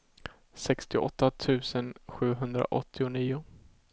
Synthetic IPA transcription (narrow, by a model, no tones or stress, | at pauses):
sɛkst̪ɪʔɔ̰t̪ʰːat̪ʰʉ̟ːsənɧʉ̟ːɦɵnd̪ɾa̰ʔɔt̪ʰːɪʊniːʊ